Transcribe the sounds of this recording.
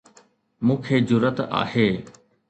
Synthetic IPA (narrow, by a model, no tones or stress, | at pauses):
mũːkʰeːd͡ʑʊɾət̪a̰ːɦeː